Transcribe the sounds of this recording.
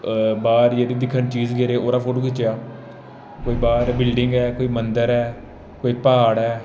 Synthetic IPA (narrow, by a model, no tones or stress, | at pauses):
baːɾjeːd̪iːd̪ɪkʰːənt͡ʃiːd͡ʒɡeːɾeːoːɾaːpʰoːʈoːkɪt͡ʃejaː | koːiːbaːɾbɪlɖɪŋɡɛːkoːiːmənd̪əɾɛː | koːiːpaːɽɛː